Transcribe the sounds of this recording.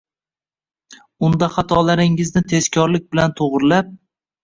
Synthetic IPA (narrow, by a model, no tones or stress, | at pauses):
ʊnd̪aχɑt̪ʰɒlaɾɪŋɪznɪt̪ʰe̞zkʲʰɒɾlɪk̚ʲbɪlant̪ʰoʁɾɪlap̚